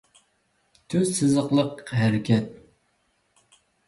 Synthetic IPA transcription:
t̪ʰøzsɨzəqlˠəqɦæɾɪkʲʰɛt̪̚

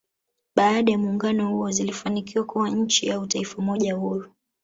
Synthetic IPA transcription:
ɓaːɗajamuːŋɡanɔhuɔzilifanikiwakuwaɲ̩t͡ʃiautaifamɔʄahuɾu

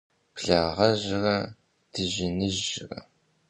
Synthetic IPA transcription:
pʰɬaːʁɐʒɪrɐ | dɨʒɪnɨʒɪrɐ̰

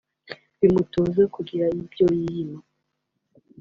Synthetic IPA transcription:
βimutoːzekuɡiɾaibjojijima

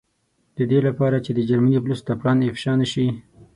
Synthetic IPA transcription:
d̪̥əd̪elapɑɾat͡ʃed̪əd͡ʒaɾmaniplust̪aplɑnɪfʃɑnəʃi

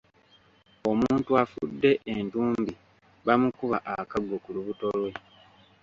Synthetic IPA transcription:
o̞muːntuafṵdːe̞ʔentuːmbi | βamukuβaʔakaɡːo̞kuluβuto̞lwe̞

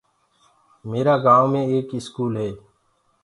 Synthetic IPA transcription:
meːɾaːɡãːmẽːeːkɪskuːlɦeː

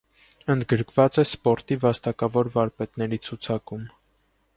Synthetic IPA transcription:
ənd̪ɡəɾkʰvɑt͡sɛspɔɾt̪ivɑst̪ɑkɑvɔɾvɑɾpɛt̪nɛɾit͡sʰut͡sʰɑkum

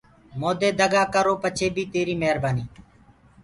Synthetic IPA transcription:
moːd̪eːd̪əɡaːkəɾoːpət͡ʃʰeːbʱiːt̪eːɾiːmeɦəɾbaːniː

